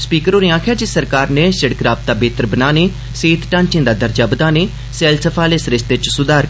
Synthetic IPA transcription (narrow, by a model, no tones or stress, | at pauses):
spiːkəɾoːɾiːãːkʰaːd͡ʒɪsəɾkaːɾneːsəɽkɾaːb̚t̪aːbeːt̪əɾbənaːneː | seːt̪ʈãːnt͡ʃɪ̃ːd̪aːd̪əɾd͡ʒaːbəd̪aːneː | sɛːlsəpʰaːlesɾɪst̪et͡ʃsʊd̪aːɾ